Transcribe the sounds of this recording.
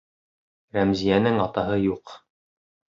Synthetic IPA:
ɾæmzijænɘŋɑt̪ɑɦɤjuq

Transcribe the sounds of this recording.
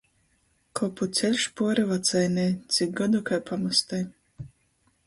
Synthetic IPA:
kʰɔput̪sʲɛlʲʃpuɔɾivat̪sajnɛjt̪sʲik̚ɡɔd̪ukajpʰamast̪aj

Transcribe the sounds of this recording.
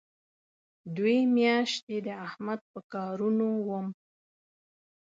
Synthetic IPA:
d̪wemjɑʃt̪ed̪əahmad̪̚pəkɑɾunowəm

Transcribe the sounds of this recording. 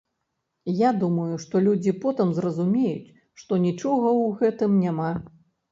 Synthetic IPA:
jad̪umɐjuʂt̪ɔlʲud͡zʲipɔt̪ɨmzrɐzumʲejṵt͡sʲ | ʂt̪ɔnʲit͡ʂɔɣɐwɣɛt̪ɨmnʲama

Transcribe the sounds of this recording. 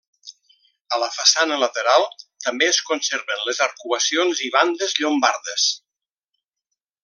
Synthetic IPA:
ələfasanələt̪eɾalˠt̪əmbeəskonseɾβənləzaɾkuəsionziβ̞and̪əzʎombaɾðəs

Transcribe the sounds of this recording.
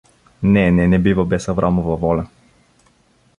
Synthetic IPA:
nɛnɛnɛbivabɛsavɾʔamɔvavɔlʲa

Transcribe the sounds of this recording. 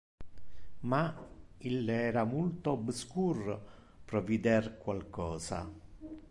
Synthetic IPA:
mailːɛːɾamult̪oabskur | pɾɔvid̪ɛrkwalkɔːsa̰

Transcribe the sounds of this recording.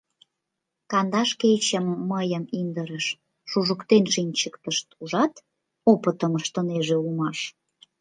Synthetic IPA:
kɑnd̪ɑʃket͡ɕəmːəjəmind̪əɾəʃ | ʃuʒəkt̪enʃinʲt͡ɕəkt̪əʃt̪uʒɑt̪ | opə̆t̪əməʃt̪ə̆neʒeumɑʃ

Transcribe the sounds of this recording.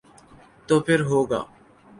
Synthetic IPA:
t̪oːpʰɪɾɦoːɡa̰ː

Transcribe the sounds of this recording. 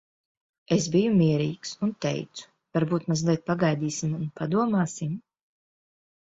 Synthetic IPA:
esbijumiɛɾiːksunt̪ɛ̰jt̪su̥ | vaɾbuːt̪mazlˠiɛt̪̚paɡajd̪iːsimunpad̪uɔmaːsim

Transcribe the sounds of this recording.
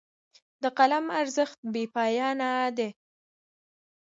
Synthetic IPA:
d̪əqalamaɾzəxt̪̚bepɑjɑnad̪e

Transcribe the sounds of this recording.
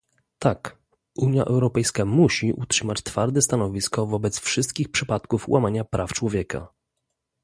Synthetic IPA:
t̪ak | uɲja̰ʔɛ̰wɾɔpɛjskamuɕiʔṵtʂɘmat͡ɕt̪faɾd̪ɛst̪anɔvʲiskɔvɔbɛt̪sfʂɘst̪̚kʲixpʂɘpat̪kufwʔamaɲapɾʔaft͡ʂwɔvʲjɛka̰

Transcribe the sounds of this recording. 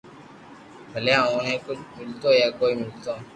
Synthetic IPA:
bʱəleɦãõnɛ̃kʊt͡ʃmɪlt̪oːjakoːimɪlt̪õ

